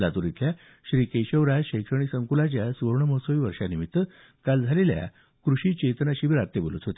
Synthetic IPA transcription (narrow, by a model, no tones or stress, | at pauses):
lat̪uɾit̪lja | ɕɾiːkejɕəʋɾaɕəjkʂəɳ̃isəŋkulat͡ɕjasʋəɾɳəməsəʋiːʋəɾʂanimit̪ːə | kald͡zʱalelja̰ | kɾuɕiːt͡ɕet̪ənaɕiːbiɾaɾt̪ːebolut̪ɦot̪e